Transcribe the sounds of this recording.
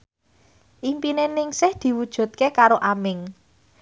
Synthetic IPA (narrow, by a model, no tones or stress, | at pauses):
ʔimpinenɪŋsɪhd̪̥i̤wud̥ʒ̥ṳt̪̚kekaɾoʔamɪŋ